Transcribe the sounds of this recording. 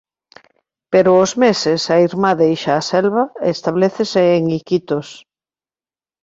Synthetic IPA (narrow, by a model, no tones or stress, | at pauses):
peɾoːzmesesaiɾmaðejʃaːsɛlβaest̪aβleθeseːŋikit̪os